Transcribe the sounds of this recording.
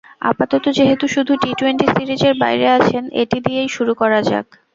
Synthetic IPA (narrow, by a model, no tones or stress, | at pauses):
a̰pat̪ɔt̪od͡ʑeɦet̪uʃud̪ʱuʈiʈweɳʈisiɾid͡ʑeɾbajɾeat͡ɕʰenḛʈid̪iejʃuɾukɔɾad͡ʑa̰ɡ